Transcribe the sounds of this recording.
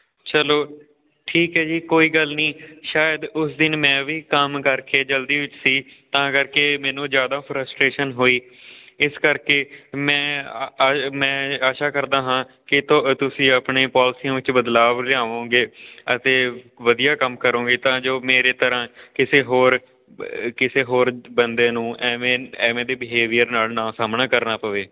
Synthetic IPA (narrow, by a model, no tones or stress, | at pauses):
t͡ʃəloː | ʈʰiːkɦɛːd͡ʒiːkoːiːɡəlnĩːʃaːjəd̪ʊsd̪ɪnmɛ̃ːʋiːkəmkəɾkeːd͡ʒəld̪iːʋɪt͡ʃsiːt̪ãːkəɾkeːmɛ̃ːnũːzjaːd̪aːpʰɾəsʈɾeːʃənɦoːiː | ɪskəɾkeːmɛ̃ː | mɛ̃ːaːʃaːkəɾd̪ãːɦãː | kɪt̪t̪ʊsĩːaːpɳẽːpaːlsiːãːʋɪt͡ʃbəd̪laːʋlɪaːʋõːɡeːət̪eːʋəd̪ijaːkəmkəɾõːɡeːt̪ãːd͡ʒoːmeːɾeːt̪əɾãːkɪseːɦoːɾ | kɪseːɦoːɾbənd̪ẽːnũːʔɛːẽːɛːmẽːd̪eːbɪɦeːʋijəɾnaːlnãːsaːmnãːkəɾnaːpəʋeː